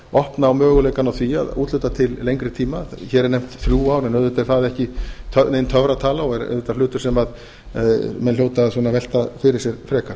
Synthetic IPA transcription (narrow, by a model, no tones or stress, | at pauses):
ɔhpnaːwmœːɣʏleːjkanawθia̰ðuːt̪lʏt̪at̪ʰɪllejŋkɾɪɾt̪ʰiːmaçɛːɾɛɾnejm̥t̪θɾjuːawɾɛnœðʏt̪ɛɾθaðɛhcɪt̪ʰœneːjnt̪ʰœvɾat̪ʰaːlaɔɛɾœ̰ðʏt̪aɾflʏːt̪ʏɾsɛmað | mɛnljoːwt̪aðsɔːnavɛl̥t̪afɪɾɪ̥sjɛɾfɾɛːkaɾ̥